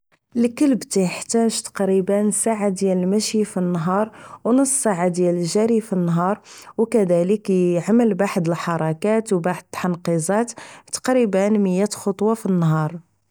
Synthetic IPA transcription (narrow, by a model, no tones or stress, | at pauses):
lkəlbt̪ijəħt̪æʒt̪ɑ̥qɾibənsaʕad̪jæləlmæʃjifinːɦɑɾˤwnəsːˤsaʕad̪jæləlʒæɾifinːɦɑɾˤwkæd̪æləkʕaməlbaħd̪əlħɑɾˤɑkæt̪wbaħd̪̚ət̪ːħɑnqizˤɑt̪t̪qɾibənməjːæt̪xot̪ˤwɑfinːɦɑɾˤ